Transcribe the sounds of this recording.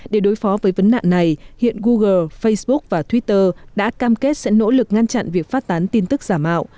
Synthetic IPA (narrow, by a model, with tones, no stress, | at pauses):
ɗe˧˩ɗo˨˦jfɔ˨˦vəː˨˦jvə˨˦nːa̰ː˧˨ŋna˨˩jhḭ˧˨ənɣu˧ɣəː˧˩fə˧jsɓʊ˦˥k̚vaː˨˩t̪ʰwi˦˥t̚t̪əː˧ɗa̰ː˧˥kaː˧mke˦˥t̚sɛ̰˧˥no̰˧˥lɨ˨˩k̚ŋa˧nt͡ɕa̰˧˨nvi˨˩ək̚faː˦˥t̚t̪aː˨˦nt̪i˧nt̪ɨ˦˥k̚z̥aː˧˩mːa̰ː˧˨wʔ